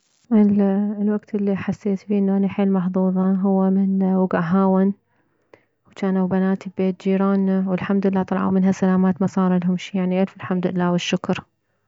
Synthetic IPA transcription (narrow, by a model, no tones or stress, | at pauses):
ʔɪlwaɡt̪ɪlːiħasːeːt̪fiːʔɪnːuʔanaħeːlmɑħðˤuːðˤɑɦʊwːamɪnwʊɡʔaɦaːwɪn | wt͡ʃaːnawbanaːt̪ibbeːt̪̚d͡ʒiːɾaːnːawɪlħamd̪ʊlɪlːaːt̪ˤɑlʕa̰mɪnɦasalaːmaːt̪mɑsˤɑːɾˤɑlɦʊmʃiːjaʕniʔɪlfɪlħamd̪ɪlːaːwɪʃːʊkɾˤ